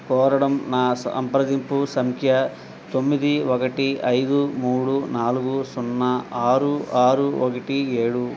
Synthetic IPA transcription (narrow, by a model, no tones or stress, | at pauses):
pɔːɾɐɽɐmnaːsɐ̰mpɾɐd̪impusɐmkʰjɐ | t̪omːid̪iʋɔkɐʈiɐjd̪umuːɽunaːluɡusunːɐaːɾuaːɾuʋɔkɐʈieːɽu